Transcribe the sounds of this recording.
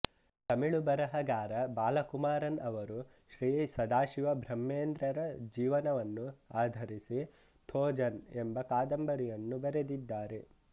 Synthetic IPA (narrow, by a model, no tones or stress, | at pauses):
t̪ɐmiɭubɐɾɐɦɐɡaːɾɐbaːlɐkumaːɾɐnɐʋɐɾu | ʃɾiːsɐd̪aːʃiʋɐbʱɾɐmːeːnd̪ɾɐɾɐd͡ʒiːʋɐnɐʋɐnːuaːd̪ʱɐɾisi | t̪ʰɔːd͡ʒɐnembɐkaːd̪ɐmbɐɾijɐnːubɐɾed̪id̪ːaːɾe̞